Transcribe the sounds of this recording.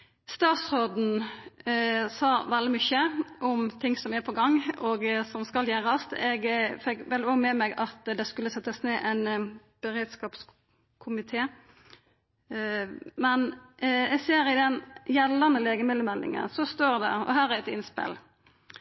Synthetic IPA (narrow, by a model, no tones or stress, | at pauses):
st̪ɑːt̪sʁoːd̪n̩ | sɑːʋɛld̪ɪmʏçəʔɔmt̪ʰɪŋsɔmæpʰɔɡɑŋːɔɡsɔmskɑljæːɾɑst̪ɛɡfɛkʋɛlɪɔmɛmɛɡɑt̪d̪ɛskʉlːəsɛt̪ːəsneːʔæɪn | b̥əɾeːd̪skɑːps | kʰʊmɪt̪ʰeː | mɛnɛɡseːɾɪd̪ɛnjɛlːənəleːɡəmɪd̪əmɛld̪ɪ̰ŋə̰nsɔst̪oːɾd̪æ̰ɔ̰ɦæːɾæɛt̪ɪnspɪ̰l